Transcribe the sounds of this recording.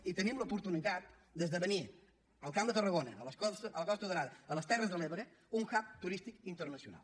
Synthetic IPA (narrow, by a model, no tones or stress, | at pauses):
it̪ənimləupuɾt̪unit̪at̪̚ | d̪əzðəβəni | əlˠkamd̪ət̪ərəɣonəələsələkɔst̪uðəɾaðəələst̪ɛrəzðəleβəɾə | uŋxap̚t̪uɾist̪ikint̪əɾnəsiṵna̰lˠ